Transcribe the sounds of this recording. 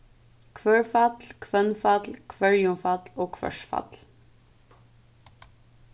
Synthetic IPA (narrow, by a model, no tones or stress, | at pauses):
kʰʋøːɹfɑt̪lkʰʋœnfat̪lkʰʋœɹjʊmfat̪loːkʰʋœ̰ʃfɑ̰t̪l